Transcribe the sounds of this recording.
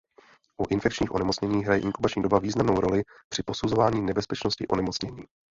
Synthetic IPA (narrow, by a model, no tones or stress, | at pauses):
ʔuʔɪnfɛkt͡ʃɲiːxʔo̞nɛmo̞t͡sɲɛɲiːɦɾajɛʔɪŋkubat͡ʃɲiːdo̞baviːznamno̞wɾo̞lɪ | pr̥ɪpo̞suzo̞vaːɲiːnɛbɛspɛt͡ʃno̞scɪ̰ʔo̞̰nɛmot͡sɲɛɲiː